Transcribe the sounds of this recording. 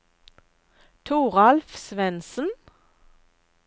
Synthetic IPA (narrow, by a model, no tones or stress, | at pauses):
t̪ʰuːʁɑlfsʋɛnsn̩